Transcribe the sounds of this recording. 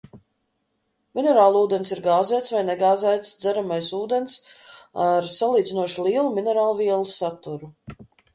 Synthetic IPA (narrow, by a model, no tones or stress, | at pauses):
minɛɾaːlˠuːd̪ensiɾɡaːzɛjt̪svajnɛɡaːzæjt̪sd̪zæɾamajsuːd̪ensaɾsalˠiːd̪zinuɔʃulˠiɛlˠuminɛɾaːlˠuviɛlˠusat̪uɾu